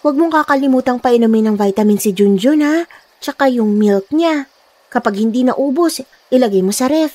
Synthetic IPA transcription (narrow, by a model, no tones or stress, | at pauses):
wɐɡ̚moŋkakɐlɪmuːt̪ɐŋpɐʔɪnɐmɪnɐŋvajt̪ɐmɪnsɪd͡ʒund͡ʒona | t͡ʃɐkajʊŋmilk̚ɲa | kɐpaɡ̚hɪnd̪inɐʔuːbo̞s | ʔɪlɐɡajmosɐɾɛf